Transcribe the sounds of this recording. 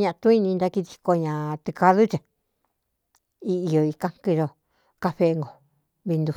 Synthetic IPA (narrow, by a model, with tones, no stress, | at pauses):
ɲã˧ʔt̪ũ˦i˦˧nĩ˧nd̪a˧ki˧ði̥˧ko˧ɲã˨t̪ɨ˧ka˧ðu˦t͡ʃẽ˧˨ | i˧i˧o˨i˧kã˦ŋki˧ʒo˧ | ka˧ɸe˧ŋɡo˨ | βi˧nd̪u˧